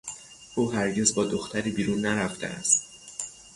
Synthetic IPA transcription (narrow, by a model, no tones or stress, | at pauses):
ʔuːɦæɾɟe̞zbɒːd̪o̞xt̪ʰæɾiːbiːɾuːnːæɾæft̪ḛʔæ̰st̪̚